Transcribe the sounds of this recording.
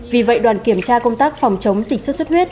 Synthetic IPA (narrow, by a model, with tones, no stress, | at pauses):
vi˨˩və̰˧˨jɗwaː˨˩nki˧˩əmt͡ɕaː˧kə˧wŋ͡mt̪aː˦˥k̚fɔ˨˩wŋ͡mt͡ɕə˨˦wŋ͡mzï˨˩k̟sə˦˥t̚sə˦˥t̚wi˦˥ət̚